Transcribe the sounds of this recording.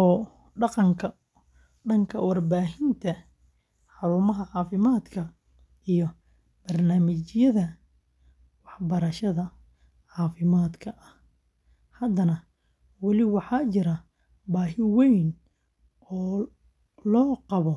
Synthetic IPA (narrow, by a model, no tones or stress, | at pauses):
ɔː | ɖɑqɑŋkʰɐ | ɖɐŋkʰɐwɑrbaːɦɪnt̪ʰɐ | ħɑɾuːmɐɦɐʕɑːfɪmaːd̪kʰɐ | ijɔ | b̥ɐrnaːmɪt͡ʃjɐðɐ | wɑħbɐɾɐʃɐðɐ | ʕɑːfɪmaːd̪kʰɐʔɐh | hɐd̪ɐnɐ | wɑlɪwɑħɑːt͡ʃɪɾɐ | baːɦɪwɛjn | ɔː | lɔːqɑβɔ